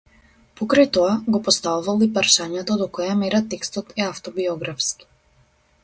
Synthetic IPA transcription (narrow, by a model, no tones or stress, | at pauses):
pɔkɾajt̪ɔaɡɔpɔst̪auvalˠipaɾʃaɲɛt̪ɔd̪ɔkɔjamɛɾat̪ɛkst̪ɔt̪ɛaft̪ɔbiɔɡɾafski̥